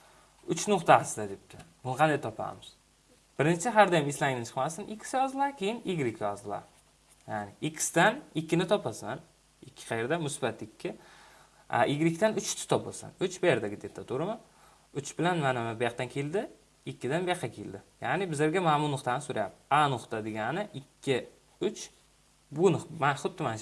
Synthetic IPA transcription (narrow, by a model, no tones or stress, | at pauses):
ʊt͡ʃnʊqt̪ʰasɪd̪ad̪ep̚t̪ʰɪbʊnqʰɑnd̪ajt̪ʰɒpʰa̰mɪz̥ | b̥ɪɾnt͡ʃʰɪɦaɾd̪ɒjamislanɪt͡ʃʰɨ̥qmast̪ɪnʔɪkʲʰːɪ̥sɪjɒzd̪ɪlˠaɾkʲʰejɪnjɪɡʲɪɾɪkʲʰːjɒzd̪ɪlˠa̰ɾ | janɪɪkʲʰːɪ̥sɪ̥d̪anɪkʲːɪnɪt̪ʰɒpʰasan | ɪkʲʰːɪ̥qʰɑjeɾd̪amʊsbat̪ɪkʲʰːɪ | a̰jɪɡʲɪɾɪkʰʲːɪt̪anʊt͡ʃɪ̥t̪ʰɪ̥t̪ʰɒp̚bo̰lsa̰nʊt͡ʃbajeɾd̪aɡʲɪd̪et̪ʰːat̪ʰʊɾɪma | ʊt͡ʃbɪlanmanamabɪjaq̚t̪ankʲʰe̞ld̪ɪ | ɪkʲʰːɪd̪anbeqʰːakʲʰeld̪ɪjanɪbɪzeɾɡʲamamʊnʊχt̪anɪsʊɾaja̰p̚anʊχt̪ad̪eɡʲanɪʔɪkʲʰːɪ | ʊt͡ʃ | bʊnmanχʊt̪ːɪman